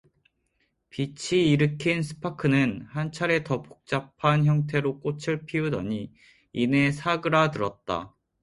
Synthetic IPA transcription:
pit͡ɕʰiːɾɯkʰinsʰɯ̥pʰakʰɯnɯnhant͡ɕʰaɾe̞tʌpo̥k̚t͡ɕ͈apʰançjʌŋtʰe̞ɾok͈ot͡ɕʰɯɭpʰiudʌ̰ɲiː | ne̞sʰaɡɯɾatɯɾʌt̚t͈a̰

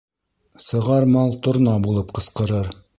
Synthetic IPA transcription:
sɤ̆ʁɑɾmɑlˠt̪ŏɾnɑbulˠɤpqɤ̆sqɤ̆ɾɤɾ

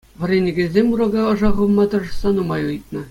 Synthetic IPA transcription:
ʋʲɤ̆rʲenʲĕɡʲĕzʲemʲuɾɑɡɑɤ̆ʐɑʁɤ̆lˠmɑt̪ɤ̆ʐɤ̆sːɑnumɑjɯjt̪̚nɤ̆

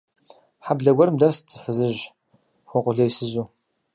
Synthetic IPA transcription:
ħabɮɐɡʷɔɾɨmdɐrspt͡sʼɨ̥fɨzɨʒ | xʷɔqʷʼʊɮɐjsɨzuː

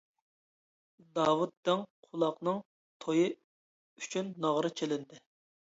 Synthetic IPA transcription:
d̪ɑːwut̪̚d̪ɪŋqʰulˠɑqnɨŋ | t̪ʰojɨ | yt͡ʃʰynːɑʁɾɨt͡ʃʰelɪnd̪ɪ

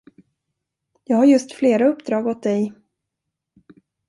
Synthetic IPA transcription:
jɑːɡhaɾjɵst̪fleːɾaɵpːd̪ɾɑːɡɔt̪̚d̪ɛj

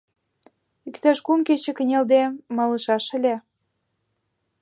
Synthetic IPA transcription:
ykt̪æʃkumket͡ɕĕkə̆nʲeld̪emɑlɤʃɑʃə̆lʲĕ

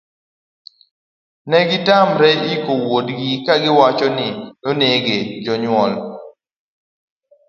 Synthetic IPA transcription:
nɛɡɪtamɾɛikowodɡikaɡɪwat͡ʃɔnɪnoneɡed͡ʒɔɲwɔl

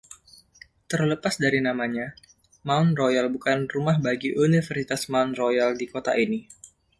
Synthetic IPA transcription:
t̪ərləpasdaɾinamaɲa | maunrojalbukanrumahbaɡiʔunifərsit̪asmaunrojaldikot̪aʔini

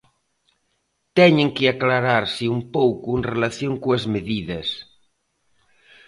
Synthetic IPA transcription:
t̪ɛɲeŋkeaklaɾaɾseumpowkuenrelaθjoŋkoezmeðiðɐs

